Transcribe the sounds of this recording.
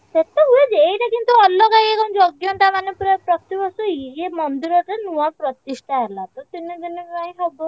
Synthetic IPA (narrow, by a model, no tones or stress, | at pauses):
t̪et̪eued͡ʒejʈakint̪uɔlːɔkajekɔnd͡ʒɔɡjɔɳʈamanepuɾpɾɔt̪ibɔsuemɔnd̪iɾɔɾenuwapɾɔt̪isʈʰaɦelat̪ut̪inid̪iniaĩɦɔbɔ